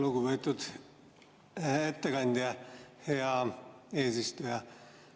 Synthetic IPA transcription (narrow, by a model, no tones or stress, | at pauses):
luɡuvet̪ːˑud̪̥ | et̪ːekɑnʲd̪̥jɑheɑe̞ːsist̪ujɑ